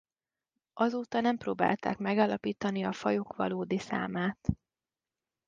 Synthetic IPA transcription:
ʔɒzoːt̪ɒnɛmproːba̰ːlt̪a̰ːkmɛɡaːlːɒpiːt̪ɒniɒfɒjokʋɒ̰loːd̪isa̰ːmaːt̪

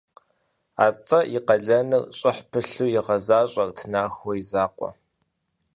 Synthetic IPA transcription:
aːt͡sʼɐjɪqɐɮɐnɨrɕʼɪħpʰɨɬuːjɪʁɐzaːɕʼɐrtʰɨnaːxɔizaːqʷɔ̰

